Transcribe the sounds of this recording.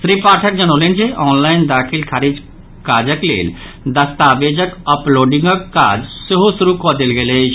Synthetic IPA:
ʃɾiːpaːʈʰək̚d͡ʒɐnolend͡ʒeʔɔːnlaːɪnd̪aːkʰilkʰaːɾid͡ʒ | kaːd͡ʒəklḛːl | d̪ɐst̪aːʋeːd͡ʒəkəploːɖɪ̃ŋɡəkːa̰ːd͡ʒsɪɦosuɾukɔd̪elɡele

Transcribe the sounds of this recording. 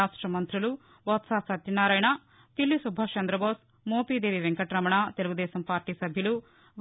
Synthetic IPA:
aːʂʈɾɐmɐnt̪ɾulu | ʋɐt̪saːpsɐt̪jɐnaːɾaːjɳa | t̪ilːisubʱaːt͡ʃɐnd̪ɾɐboːs | moːpiːd̪eːʋiʋeŋkɐʈɾɐmɐɳat̪eluɡud̪ɛːsɐmpaːɾʈiːsɐbʱjɐlu | ʋ

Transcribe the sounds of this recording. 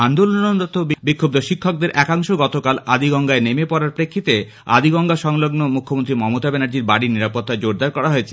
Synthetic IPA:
ɦand̪olonond̪ɔt̪ːobbikʰːob̚d̪oʃikʰːok̚d̪eɾʔɛkaŋʃoɡɔt̪okalad̪iɡɔŋɡaenemepɔɾaɾpɾekʰːit̪e | a̰d̪iɡɔŋɡaʃɔŋloɡnomukʰːomont̪ɾimɔmot̪abɛnaɾd͡ʑiɾbaɽiniɾapot̪ːad͡ʑoɾd̪aɾkɔɾaɦojet͡ɕʰe

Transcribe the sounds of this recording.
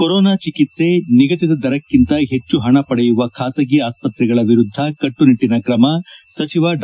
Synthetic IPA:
koɾɔːnaːt͡ʃikit̪se̞niɡɐt̪id̪ɐd̪ɐɾɐkːint̪ɐɦe̞t͡ʃːuɦɐɳɐpɐɽɛjuʋɐkʰaːsɐɡiaːspɐt̪ɾɛɡɐɭɐʋiɾud̪ʱːɐkɐʈːuniʈːinɐkɾɐmɐsɐt͡ʃiʋɐɖ

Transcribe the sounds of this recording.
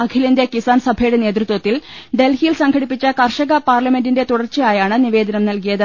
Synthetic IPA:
ɐkʰilɐnd̪jɐkisaːnsɐbʱɐjuɽene̞ːt̪rɨt̪wɐt̪ːilɖe̞lhijilsɐŋɡʰʱɐɽipːit͡ɕːɐkɐrʂɐɣɐpaːrlɐme̞ndinde̞t̪uɽɐrt͡ɕːɐjaːjaːɳɨniʋe̞ːd̪ɐnɐmnɐlkijɐðɨ

